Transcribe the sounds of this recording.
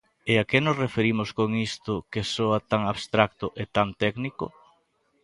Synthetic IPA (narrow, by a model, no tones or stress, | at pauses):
eakenosrefeɾimʊskoŋist̪ʊkesoat̪aŋaβst̪ɾak̚t̪ʊʔet̪ant̪ɛknikʊ̰